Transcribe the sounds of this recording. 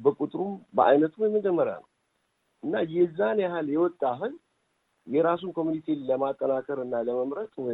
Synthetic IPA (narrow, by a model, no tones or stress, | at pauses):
bəkʼut̪ʼɨɾumbəʔa̰jnət̪ʰumjɛmːəd͡ʒɛmːəɾa̰nə̰w | ʔɨnːajɛzːanahaljɛwɔt̪ʼːaɦɨz | jɛɾas̬unkʰo̞munit̪ʰiləmat̪ʼːənakʰəɾɨnːaləməmɾət̪ʼwɔ